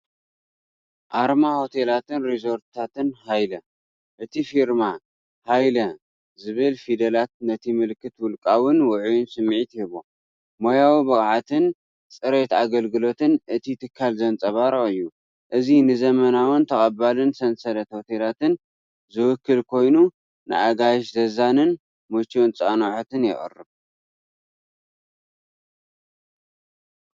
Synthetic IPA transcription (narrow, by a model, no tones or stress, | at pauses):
ʔaɾmaho̞t̪ʰe̞lat̪ɨnɾizo̞ɾt̪t̪ʰat̪ɨnhajlɐ | ʔɨt̪ʰifiɾma | hajlɐ | zɨβɨlfid̪ɐlat̪̚nɐt̪ʰimɨlkʰːɨt̪wʊlkʼawɨnwʊʕujunsɨmːʕit̪ɪhɨβo | mojawibɐkʼʕat̪ʰɨn | t͡sʼɨɾet̪aɡɐlɡɨlo̞t̪ɨnʔɨt̪ʰit̪ʰɨkʰːalzɐnt͡sʼɐβaɾʔɨjːu | ʔɨzinɨzɐmɐnawɨnt̪ʰɐχʼɐbalɨnsɐnsɐlɐt̪ho̞t̪ʰe̞lat̪ɨn | zɨwʊkʰːɨlkʰo̞jnu | nɨ̰ʔaɡajʃzɐzanɨn | mot͡ʃːont͡sʼanoħot̪ʰɨnjɛ̰χʼɨ̰rːɨβ